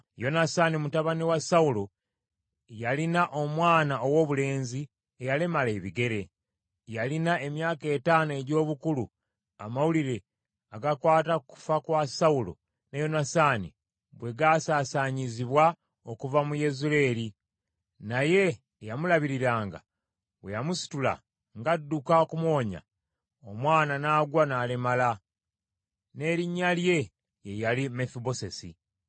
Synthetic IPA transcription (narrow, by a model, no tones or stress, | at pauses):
jo̞nasanimutaβaniwasaulo̞ | jalinaʔo̞mwaːnaowo̞βule̞ːnzi | ejale̞male̞ːβiɡe̞ɾe̞ | jalinae̞mjaːke̞ːtaːnoe̞ɟo̞ːβukulu | a̰mawuliɾe̞ | aɡakwaːtaku̥fakwasaulo̞̰ | nejo̞nasaːni | bwe̞ɡaːsaːsaɲiziβwa | okuvamuje̞zule̞ːɾi | naje̞ː | jamulaβiɾiɾaːŋɡa̰ | βwe̞̰jamusi̥tula̰ | ŋɡadːukakumwo̞ːɲa̰ | omwaːnanaːɡwanaːlemala | ne̞ːɾiɲːalje̞ | jejalimefibo̞se̞sḭ